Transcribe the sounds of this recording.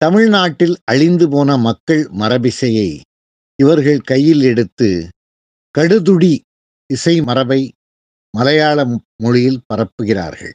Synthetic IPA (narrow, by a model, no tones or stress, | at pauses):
t̪ɐmɪɻnaːʈːɪlɐɻɪnd̪ɯpoːnɐmɐkːɐɭmɐɾɐbɪsɐjɐɪ | ɪʋɐɾɣɐɭkɐjːɪlɛɽɯt̪ːɯ | kɐɽɯðʊɽi | ɪsɐɪmɐɾɐbɐɪ | mɐlɐjaːɭɐmʊɻɪjɪlpɐrɐpːɯɣɪra̰ːɾɣɐ̰ɭ